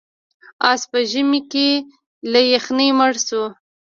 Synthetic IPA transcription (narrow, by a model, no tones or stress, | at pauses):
ɑspəʒəmike | lajaxneməɽsu